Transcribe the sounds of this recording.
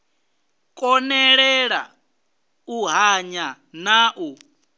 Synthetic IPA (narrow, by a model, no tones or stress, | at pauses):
kʼɔnɛɺɛɺa | uɦaɲa | naːʔu